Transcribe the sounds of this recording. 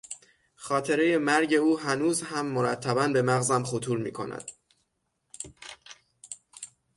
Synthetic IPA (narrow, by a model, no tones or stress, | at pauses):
xɒːt̪ʰe̞ɾe̞je̞mæɾɟe̞uːɦænuːzhæmːoɾæt̪ʰːæbænbe̞mæɣzæmχot̪ʰuːɾmḭːkʰo̞̰næ̰d̪̥